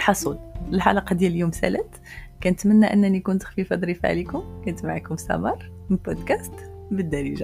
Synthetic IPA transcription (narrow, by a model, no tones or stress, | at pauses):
lħɑsˤud̪əlħɑ̰lɑqɑd̪jæljumsæ̰læt̪ | kænət̪mənːæʔənːænikʊnt̪xfifɑd̪ˤɾifa̰ʕlikʊmkænət̪maʕikʊmsæ̰mɑɾˤmbod̪kæst̪bəd̪ːæɾiʒæ